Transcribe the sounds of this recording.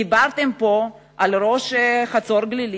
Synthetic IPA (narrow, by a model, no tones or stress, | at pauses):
ibaɾt̪empo̞ | alɾo̞ʃχat͡so̞ɾɡlil